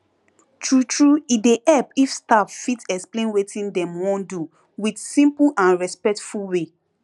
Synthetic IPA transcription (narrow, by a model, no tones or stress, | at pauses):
tɹutɹuideʔɛpifstavfitɛksplẽnwetĩndɛ̃mwɔ̃ndu | widsĩmpulʔãnɹɛspɛk̚tfulwe